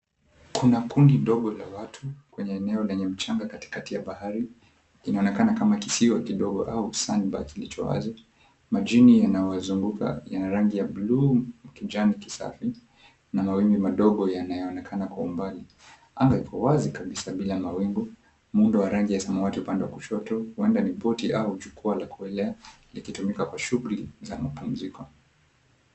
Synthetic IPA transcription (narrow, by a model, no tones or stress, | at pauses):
kʰunakundiɗɔɠɔlawatʰukwɛɲɛːnɛɔlɛɲɛm̩t͡ʃaŋɡakati̥katijaɓahaɾi | inaɔnɛkanakamakisiwakiɗɔɡɔʔausaniɓa̰kilit͡ʃɔ̰wa̰zi | maʄinijanajɔwazuŋɡukʰa̰janaɾaŋɡijablum̩kid͡ʒaniki̥sa̰fi | namawimbimaɗɔɠɔjanajɔɔnɛkʰanakwaumbali | aŋɡaikɔwazikaɓisaɓilamawimɡu | mundɔwaɾaŋɡijasamawatiupandɛwakuʃɔtɔhuɛndanipɔtiʔaud͡ʒukualakuɛlɛa | likitumikakwaʃuɣuliza̰mapum̩zikɔ